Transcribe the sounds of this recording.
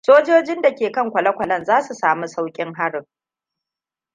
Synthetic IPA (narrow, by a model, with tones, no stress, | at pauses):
soː˦d͡ʒoː˦d͡ʒɪ˦nda˨kʲeː˨kɐ˦˨ŋkʷɐ˨lɐ˦kʷɐ˨lɐ˦nzaː˦su˨saː˨mu˦sa˦wkʲʼɪ˦ŋɦa˦ɽɪ˨